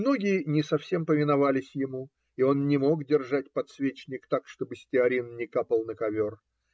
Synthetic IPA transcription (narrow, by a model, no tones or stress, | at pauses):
mno̞ɡʲɪɪnʲɪsɐfsʲe̞mpəvʲɪnɐvalʲɪsʲjɪmu | io̞nnʲɪmo̞kdʲɪrʐat̚ʲpɐt̪svʲet͡ɕnʲɪkt̪akʂt̪o̞bɨsʲtʲɪɐɾʲinnʲɪkapəlˠnəkɐvʲor